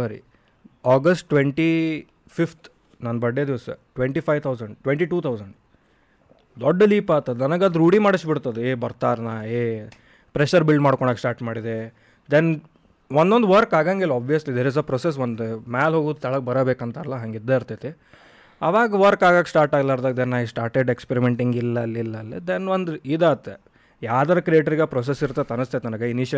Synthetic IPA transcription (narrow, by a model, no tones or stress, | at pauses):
sɐɾḭ | aːɡɐsʈʈʋeɳʈi | pʰift̪ʰ | nɐnːɐbɐɖːed̪iʋsɐ̰ʈʋeɳʈipʰajʋt̪ʰɐwzɐɳɖʈʋeɳʈiʈuːt̪ʰɐwzɐɳɖ | d̪ɔɖːɐliːpaːt̪ːɐd̪nɐnɐɡɐd̪ɾuːɽimaːɽɐsʈbiɽt̪ːɐd̪eeːbɐɾt̪aːɾnae | pɾeʃɐɾbilɖmaːɽkɔɳɖaːɡsʈaːɾʈmaːɽid̪e | d̪en | ʋɔnd̪ond̪ʋɐɾkaːɡaŋɡelaːbʋijɐslid̪eɾizɐpɾoːses̬ʋɐnd̪maːlɦoːɡuːd̪t̪ʰɐɭɐɡbɐɾɐbeːkɐnt̪ɐːlːɐɦaŋɡid̪ːeiɾt̪at̪e | ɐʋaːɡɐʋɐɾkaːɡaːɡsʈaːɾʈaːɡlaiɾd̪aɡd̪enːaːisʈaːɾʈeɖekspeɾimeɳʈiŋɡilːɐɐlːilːɐːlːid̪enʋɔnd̪id̪eːɐt̪ːe | jaːd̪ɐɾɐkɾijeːʈɐɾiɡapɾoːs̬esiɾt̪ːɐt̪ːɐnɐst̪at̪nɐnɐɡeiniːʃɐ